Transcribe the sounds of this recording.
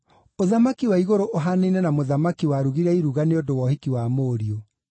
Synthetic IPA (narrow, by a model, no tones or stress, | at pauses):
oðamakiwaiɣoɾoʔoɦaneinɛnamoðamakiwaɾuɣiɾɛiɾuɣaneodowɔhikiwamoːɾio